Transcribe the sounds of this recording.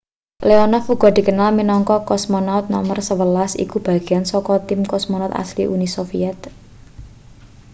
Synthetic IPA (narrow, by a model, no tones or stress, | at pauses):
leɔnɔfuɡ̥ɔ̤d̪̥i̤kənalminɔŋkɔkɔsmɔnaʊt̪̚nɔ̰mərsəwəlasḭkub̥ä̤ɡ̥eansɔkɔt̪ɪmkɔsmɔnat̪a̰slḭʔunisofiɛt̪̚